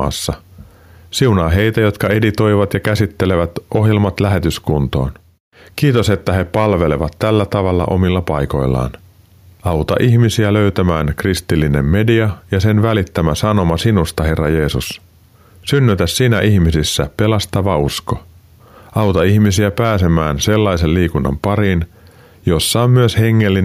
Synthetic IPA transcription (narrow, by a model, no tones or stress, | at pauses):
ɑ̰ːsːɑ | siunɑːɦe̞jt̪æjo̞t̪kɑe̞dit̪o̞jʋɑt̪jɑkæsit̪ːe̞le̞ʋæt̪ʔoɦjelmɑt̪læɦe̞t̪yskunt̪o̞̰ːn | kiːt̪ose̞t̪ːæɦe̞pɑlʋe̞le̞ʋɑt̪ːælːæt̪ɑʋɑlːɑ̰ʔo̞̰milːɑpɑjko̞̰jlːɑ̰ːn | ɑwt̪ɑ̰ʔiçmisiæløyt̪æmæːnkrist̪ilːine̞̰mːe̞diɑjɑse̞nʋælit̪ːæmæsɑno̞mɑsinust̪ɑɦe̞rːɑje̞ːsus | synːyt̪æssiːnæʔiçmisisːæpe̞lɑst̪ɑʋɑusko | ɑwt̪ɑihmisiæpæːse̞mæːnse̞lːɑjse̞lliːkunːɑ̰mpɑɾin | jo̞sːɑommyøshe̞ŋːe̞lːin